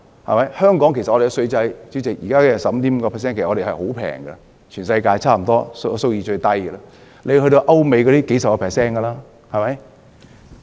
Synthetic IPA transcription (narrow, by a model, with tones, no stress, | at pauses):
hɐ̰˨mɐ˨˦jhœː˥ŋkɔː˨˥ŋkʰe˨˩sɐ˨ɔ˨˧e˨kːɛ˧sɵ˧ɥt͡sɐ˧jt͡siː˨˥t͡sɪ˨˩k̚jiː˨kaː˥kːsɐ˨m̩˦t̪iː˨˥m̩˨˧kɔː˧pʰɛː˨s̬ɛː˥nkʰːɔː˧e˨˩hɐ˨˩ho˨˥wpʰɛ̰ː˨˩ŋɡɐ̰˧ | t͡ʃʰyː˨˩nsɐ˧jkaː˧jt͡sʰaː˥˩m̩˨˩t̪ɔː˥sso˥wjiː˧t͡ʃɵ˧ɥt̪ɐ˥jə˧lɐ˧ | lʔe˨˧ɦɵ˧t̪o˧wʔɐ˥wme˨˧jkɔ˨˧˥iː˥ke˨˥jsɐ˨kɔː˧pʰɛː˨ksɛː˥nkɐ˧laː˥ | hɐ˨˩mɐ˨˦j